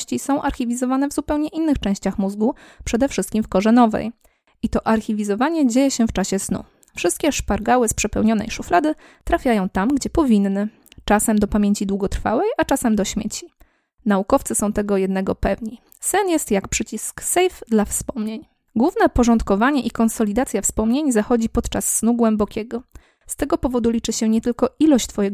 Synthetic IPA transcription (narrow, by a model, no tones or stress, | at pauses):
ɕt͡ɕisɔ̃w̃ʔaɾxʲivʲizɔvanɛvzupɛwɲɛʔinːɘxt͡ʂɛ̃w̃ɕt͡ɕaxmuzɡu | pʂɛd̪ɛfʂɘst̪̚kʲimfkɔʐɛnɔvɛ̰j | ʔit̪ɔʔaɾxʲivʲizɔvaɲɛd͡ʑejɛɕɛft͡ʂaɕɛsnṵ | fʂɘst̪̚kʲɛʂpaɾɡawɘspʂɛpɛwɲɔnɛ̰jʂuflad̪ɘ | t̪ɾafʲjajɔ̃w̃t̪amɡd͡ʑɛpɔvʲinːɘ | t͡ʂasɛmd̪ɔpamʲjeɲt͡ɕid̪wuɡɔt̪ɾfa̰wɛjat͡ʂasɛmd̪ɔɕmʲjḛt͡ɕi | naukɔft̪sɘsɔ̃w̃t̪ɛɡɔjɛd̪nɛɡɔpɛvɲi | sɛnjɛst̪jakpʂɘt͡ɕisksɛjfd̪lafspɔmɲeɲ | ɡwuvnɛpɔʐɔnt̪kɔvaɲɛʔikɔnsɔlʲid̪at̪sʲjafspɔmɲeɲzaxɔd͡ʑipɔt̪t͡ʂasːnuɡwɛmbɔkʲɛɡɔ | st̪ɛɡɔpɔvɔd̪ulʲit͡ʂɘɕɛɲɛt̪ɘlkɔʔilɔɕt͡ɕt̪fɔjɛɡ